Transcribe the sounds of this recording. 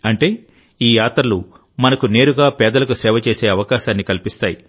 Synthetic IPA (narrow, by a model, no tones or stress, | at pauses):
ɐɳʈe̞ː | iːjaːt̪ɾɐlu | mɐnɐkune̞ːɾuɡaːpɛːd̪ɐlɐkusɛːʋɐt͡ʃeːse̞ːɐʋɐkaːʃaːnːikɐlipist̪aːjḭ